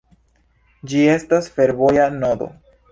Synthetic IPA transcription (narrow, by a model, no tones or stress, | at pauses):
d͡ʒie̞stasfe̞ɾvo̞janod̪o̞̰